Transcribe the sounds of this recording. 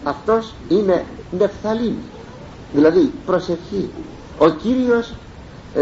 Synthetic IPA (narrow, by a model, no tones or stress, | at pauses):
ɐft̪o̞sinene̞fθɐlinḭ | ðilɐðipɾo̞sefçi | ociɾios